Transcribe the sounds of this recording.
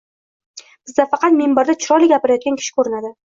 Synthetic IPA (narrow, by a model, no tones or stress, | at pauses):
b̥ɪzd̪afɑqʰɑt̪membaɾd̪at͡ʃʰʊɾɒlɪɡʲapɪɾajɒt̪̚ɡʲankʰʲɪ̥ʃɪ̥kʰɵɾɪnad̪ɪ